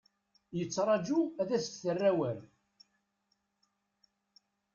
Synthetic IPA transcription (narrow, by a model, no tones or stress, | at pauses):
jət͡sːɾˤɑd͡ʒuæðæst̪θərːæwəɾ